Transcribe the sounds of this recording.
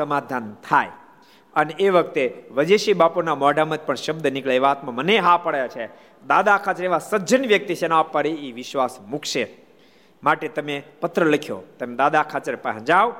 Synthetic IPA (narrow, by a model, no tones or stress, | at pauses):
səmad̪ʱant̪ʰaj | əneeʋək̚t̪eʋəd͡ʒeʃibaponamɔɖʱamə̃d͡ʒpəɳʃəbd̪ənikɭaeʋaːt̪mãməneɦapəɽjat͡ʃʰe | d̪ad̪akʰat͡ʃəɾeʋasəd͡ʒənʋjək̚t̪it͡ʃʰenapːəɾiiʋɪʃʋasmukʰʃe | maʈet̪əmepət̪ɾələkʰjo̰t̪əmed̪ad̪akʰat͡ʃəɾpəɦə̃d͡ʒaʋ